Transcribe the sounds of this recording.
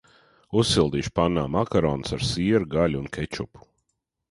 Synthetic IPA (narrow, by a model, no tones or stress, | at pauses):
usːilˠd̪iːʃu̥panːaːmakaɾɔːnsaɾsiɛɾuɡalʲunkʰɛt͡ʃupu̥